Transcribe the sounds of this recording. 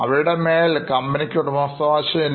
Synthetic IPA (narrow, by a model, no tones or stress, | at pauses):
ɐ̰ʋiɻɨɽemeːlkɐmbɐnikʲːoːʈːumɐːst̪ːɐʋaːɕɐin